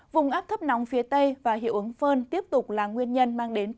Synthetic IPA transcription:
vʊ˨˩ŋ͡mʔaː˦˥p̚t̪ʰə˦˥p̚na˨˦wŋ͡mfi˨˦ət̪ə˧jvaː˨˩ɦḭ˧˨əwʔɨ˨˦ŋfəː˧nt̪i˦˥əp̚t̪ʊ˨˩k͡p̚laː˨˩ŋwi˧ənɲə˧nmaː˧ŋɗe˨˦n

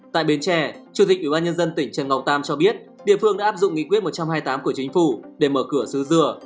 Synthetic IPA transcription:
t̪a̰ː˧˨jɓi˨˦nt͡ɕɛ˧˩t͡ɕu˨˧˩t̪i˨˩k̟ʔwi˧˩ɓaː˧nɲə˧nzə˧nt̪ï˧˩ŋ̟t͡ɕə˨˩nŋa˨˩w̚t̪aː˧mt͡ɕɔ˧ɓi˦˥ət̚ɗḭ˧˨əfɨ˧əŋɗa̰ː˧˦aː˦˥pzʊ̰˧˨ŋ͡mŋḭ˧˨kwi˦˥t̚mo˨˩t̚t͡ɕa˧mhaː˧jt̪aː˨˦mku˧˩ət͡ɕï˨˦ŋ̟fu˧˩ɗe˧˩məː˧˩kɨ˧˩əsɨ˨˦zɨ˧˩ə

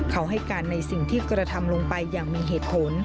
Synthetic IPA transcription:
kʰa˦˥wɦa˥˩jkaː˧nːa˧jsi˨˩ŋt̪ʰiː˥˩kɾa˧t̪ʰa˧mlo˧ŋpa˧jːaː˨˩ŋmiː˧ɦeː˨˩t̪̚pʰo˨˩˦n

